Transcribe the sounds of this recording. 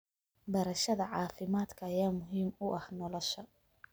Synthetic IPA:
bɐɾɐʃɐðɐʕɑːfɪmaːd̪kʰɐːjaːmʊɦiːmʊʔɐhnɔlɔʃɐ

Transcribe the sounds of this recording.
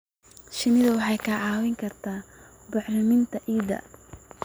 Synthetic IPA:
ʃɪnɪðɐwɑħɑjkʰɐʕɑːwɪŋkʰɐrt̪ʰaː | bʊħrɪmɪnt̪ʰɐʔiːðɐ̰

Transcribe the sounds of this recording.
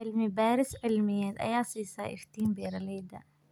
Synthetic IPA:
ɪlmibaːɾɪsʕɪlmɪjad̪ʔa̰jaːsisa̰ːʔɪ̰ft̪iːmbiːɾaliːd̪a̰

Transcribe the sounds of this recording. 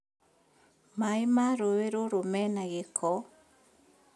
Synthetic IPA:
maimaɾoweɾoɾomɛnaɣekʰɔ

